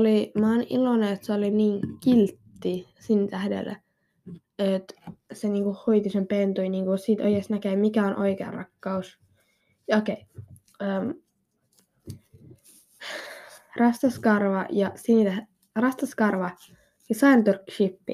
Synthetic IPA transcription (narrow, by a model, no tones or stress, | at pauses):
olimɑnḭloneet̪seoliniːŋkilt̪ːi | sint̪æhdḛlːæ̰ | et̪seniːŋkuhhoit̪isempent̪uijniːŋkusiːt̪o̰jesnækeːmikæonʔo̰ikeɑ̰rɑ̰kːɑus | jɑokei | əm | rɑst̪ɑskɑrʋɑjɑsint̪æ | rɑst̪ɑskɑrʋɑ | jɑsɑint̪urkːʃipːḭ